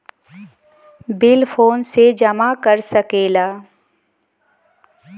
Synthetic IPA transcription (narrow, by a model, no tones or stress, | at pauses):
bɪlpʰoːnsed͡ʒɐmakəɾsəkeːlaː